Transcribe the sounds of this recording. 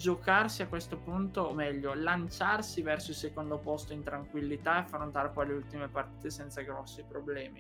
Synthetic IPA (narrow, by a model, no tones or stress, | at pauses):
d͡ʒokarsiakːwest̪opunt̪oːmɛʎːolant͡ʃarsivɛrsoilsekond̪opɔst̪oint̪ɾaŋkwilːit̪aeafɾont̪aːɾepɔjleult̪imepart̪iːt̪esɛnt̪saɡɾɔsːipɾoblɛːmi